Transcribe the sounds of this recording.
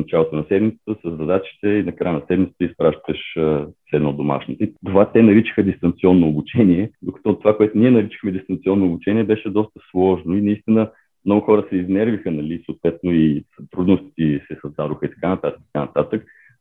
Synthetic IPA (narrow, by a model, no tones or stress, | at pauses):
fnɐt͡ʃalˠot̪onɐsɛd̪mit̪sə̥t̪əsəzːɐd̪at͡ʃi̥t̪ɛinɐkɾajənɐsɛd̪mit̪sət̪əispɾaʃt̪əʃəsɛd̪nod̪oma̰ʃnit̪ɛt̪ovat̪ɛnɐɾit͡ʃi̥xəd̪ist̪ɐnt̪siɔnːoːbut͡ʃɛniɛd̪okɐ̥t̪ɔt̪ːovakoɛt̪ʊniɛnɐɾit͡ʃi̥xmɛd̪ist̪ɐnt̪siɔnːoːbut͡ʃɛniɛbɛʃɛd̪ɔst̪ə̥slˠɔʒnoinɐist̪inə | mnɔɡʊxɔɾəsɛiznɛɾvixənɐlisoːt̪vɛt̪noit̪ɾud̪nʊst̪t̪isɛsɐzd̪ad̪ʊxəit̪ɐ̥kanɐt̪at̪kt̪̚kanɐt̪at̪ək̚